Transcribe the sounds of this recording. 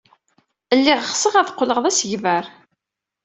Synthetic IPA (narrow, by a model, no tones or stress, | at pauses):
əlːɪʁəχsəʁæðqːləʁðæsəʝvəɾ